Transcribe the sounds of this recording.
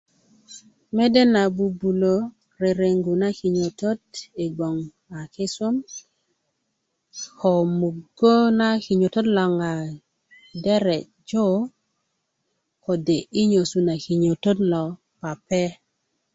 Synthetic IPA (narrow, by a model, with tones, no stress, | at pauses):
mɛ˦dɛ˦na˨bu˨bu˨lo˨ | ɾe˨ɾe˨ŋɡu˨na˦ki˨ɲo˨to˦di˨ɡwɔ˨ŋ | a˨kɪ˦sʊ˦m | hɔ˨mu˨ɡo˦na˦ki˨ɲo˨to˦tlɔ˨ŋa˨ | dɛ˦ɾɛ˨ | d͡ʒo˦ | kɔ˨de˨ʔɪ˦ɲo˨su˨na˨ki˨ɲo˨to˦dlɔ˨ | pa˨pɛ˦